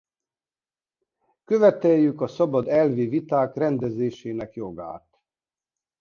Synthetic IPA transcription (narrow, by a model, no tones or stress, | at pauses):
kø̞vɛt̪ɛjːykɒsɒbɒd̪ɛlvivit̪aːkrɛnd̪ɛzeːʃeːnɛkjo̞ɡa̰ːt̪